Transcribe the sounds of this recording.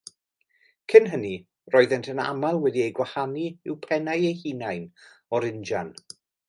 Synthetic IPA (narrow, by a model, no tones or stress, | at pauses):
kʰɪnɦəni | rɔɨðɛntʰəna̰malˠwɛdiejɡwahaniɪwpʰɛnajejhinajn | ɔɾɪnd͡ʒan